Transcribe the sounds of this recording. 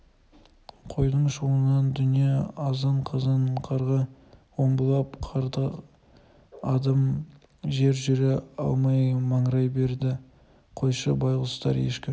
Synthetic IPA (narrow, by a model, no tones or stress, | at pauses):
qʰo̞jd̪əɴʃuənɑnd̪ʏnije̞ɑzəɴqʰəzəɴqʰɑɾʁɑwo̞mbəlˠɑpqʰɑɾd̪ə | ɑd̪ɑm | ʒe̞ɾʒʏɾeɑlˠmɑjmɑɴɾɑjbe̞ɾd̪ɪ | qʰo̞jʃəbɑjʁəlˠəst̪ɑɾe̞̰ʃkʲɪ